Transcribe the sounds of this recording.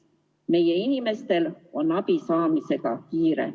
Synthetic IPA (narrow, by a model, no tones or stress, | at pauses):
me̞jeinime̞st̪e̞lonːɑpisɑːmise̞kɑ̰kiːrḛ